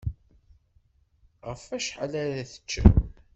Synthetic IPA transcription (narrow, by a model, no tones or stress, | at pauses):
ʁəfæʃħalæɾæθə̥t͡ʃːa̰